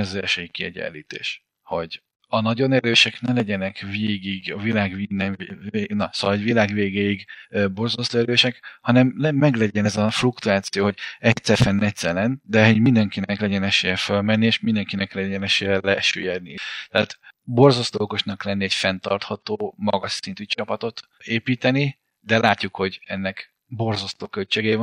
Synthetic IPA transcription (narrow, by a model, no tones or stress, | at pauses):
ɛzɛlʃøjikːiɛ̰ɟɛ̰nlːḭːt̪ḛːʃ | ho̞ɟ | ɒnɒɟo̞nɛɾøːʃɛknɛlɛɟɛnɛkveːɡiɡɒvilaːɡvinːɛenɒsoɟvilaːɡveːɡeːjiɡøbo̞rzɒst̪oːɛɾøːʃɛkhɒnɛmlɛːɛɡlɛɟɛnɛzɒflukt̪uaːt̪sijoːɦo̞ɟɛctsɛrfɛnːɛct̪sɛlɛnd̪ɛɦoɟmind̪ɛŋkinɛklɛɟɛnɛʃeːjɛfølmɛnːieʃmind̪ɛŋkinɛklɛɟɛnɛʃeːjɛlɛɛʃø̰jɛd̪nit̪ɛaːt̪bo̞rzost̪ooko̞ʃnɒklɛnːiɛɟfɛnt̪ɒrt̪hɒt̪oːmɒ̰ɡɒʃsint̪yt͡ʃɒpɒt̪o̞t̪ | eːpiːt̪ɛni | d̪ɛlaːcːukho̞ɟɛnːɛk | bo̞rzɒst̪oːkølt͡ʃeːɡɛjin